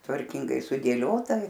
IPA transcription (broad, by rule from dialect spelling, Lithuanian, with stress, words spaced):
tʋɐrʲˈkʲɪŋɡɐɪ sʊdʲeːˈlʲoːtɐ